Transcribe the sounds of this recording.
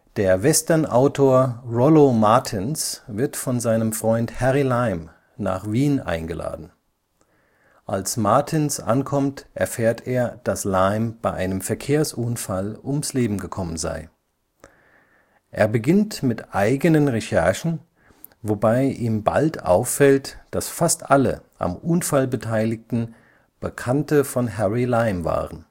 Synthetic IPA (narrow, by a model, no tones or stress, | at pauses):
d̥eːɐvɛstɐnʔaʊtʰoːɐʁɔlomaɐtʰɪnsvɪɐtfɔnzaɪnəmfʁ̥ɔʏnthɛʁilaɪm | na̰ːχv̥iːnʔa̰ɪnɡəlʔa̰ːdn̩ | ʔa̰lsmaɐtʰɪnsʔa̰nkʰɔmtʔɛɐfeːɐtʰeːɐd̥aslaɪmb̥aɪʔaɪnəmfɛɐkʰeːɐsʔʊnfalʊmsleːbm̩ɡəkʰɔmənza̰ɪ | ʔeːɐbəɡɪntmɪtʔaɪɡənənʁɛʃɛɐʃn̩ | vobaɪʔiːmba̰ltʔa̰ʊfːɛltd̥asfastʔalə̰ʔa̰mʔʊnfalbətʰaɪlɪktn̩ | b̥əkʰantəfɔnɦɛʁilaɪmva̰ːʁən